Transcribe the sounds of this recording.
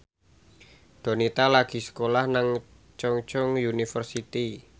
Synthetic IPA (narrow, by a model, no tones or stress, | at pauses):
d̪̥o̤nit̪alaɡ̥i̤sə̥kolahnaŋ | t͡ʃɔŋt͡ʃɔŋjunifərsit̪i